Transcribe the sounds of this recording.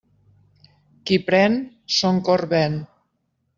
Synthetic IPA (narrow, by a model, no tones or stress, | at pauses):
kipɾɛn | soŋkoɾβɛn